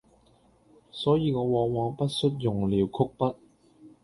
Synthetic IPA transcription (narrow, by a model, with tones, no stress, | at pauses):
sɔː˨˥jiː˨˧ŋɔː˨˧wɔː˨˧ŋwɔː˨˥ŋpɐ˦˥t̚sɵ˥t̚jʊ˨ŋliː˨˧wkʰʊ˥k̚pɐ˥t̚